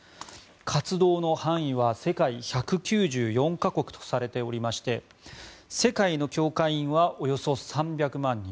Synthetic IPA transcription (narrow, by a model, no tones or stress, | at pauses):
kʰat͡sɨd̪o̞ːno̞hãɰ̃ĩβase̞kaiçakɯ̟kʲɨːʑɨːjõ̞ŋkako̞kɯ̟̥t̪o̞̥saɾe̞t̪e̞o̞ɾʲimaɕi̥t̪e̞ | se̞kaino̞kʲo̞ːkaĩɰ̃βaʔo̞jo̞so̞sãmbʲjakɯ̟mãɲ̟ːĩ